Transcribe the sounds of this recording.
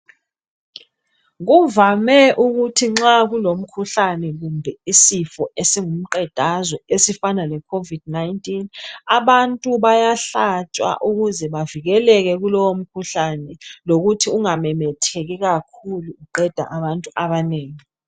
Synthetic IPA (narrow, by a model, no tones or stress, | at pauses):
ɣuvamɛʔuɣutʰiŋ͡ǁaɣulom̩kʰuɬanɛɣumbʱɛisifɔesiŋum̩ǃɛd̥ʱazɔesifanalɛkʰovid̥̚najntʼinaβantʼuβajaɬat͡ʃʼwa̰ʔuɣuzɛβaviɣɛlɛɣɛɣulɔwom̩kʰuɬanɛloɣutʰiuŋamɛmɛtʰɛɣɛɣakʰuluuǃɛd̥ʱa̰ʔaβantʼuʔaβaneːŋi